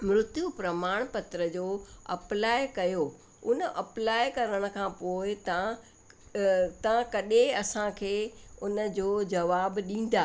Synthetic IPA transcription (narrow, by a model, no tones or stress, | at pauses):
mɾʊt̪jupɾɐmaːɽ̃pɐt̪ɾəd͡ʑoːɐ̰plaːɪkɐjoː | ʊnəʔɐplaːɪkɐɾəɽ̃ə̆kʰãːpoːɪt̪a | t̪ɐãkɐɗeɐsãkʰeːʊnə̆d͡ʑoːd͡ʑɐʋaːbɗĩːn̆d̪aː